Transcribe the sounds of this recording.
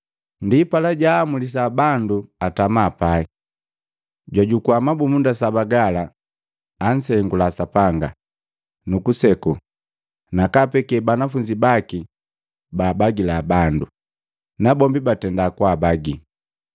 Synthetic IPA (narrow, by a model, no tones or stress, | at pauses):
ndipalaɟaːmulis̬abanduatamaːpai | ɟwaɟukuamabumundasabaɡalaː | n̩sɛŋɡulasapaŋɡa̰ | nukusɛku | nakapɛkɛbanafuɲd͡ʒibaki | baːbaɡilaːbandu | nabɔmbibatɛndakwabaɡi